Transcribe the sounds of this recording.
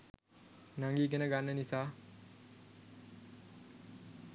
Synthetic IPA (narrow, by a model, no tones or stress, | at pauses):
naŋɡiːkenəɡanːənisaː